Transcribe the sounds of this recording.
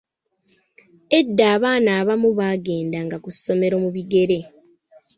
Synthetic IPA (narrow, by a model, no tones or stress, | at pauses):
e̞dːaːβaːnaːβamuβaːɡe̞ːndaŋɡakuso̞me̞ɾo̞muβiɡe̞ɾe̞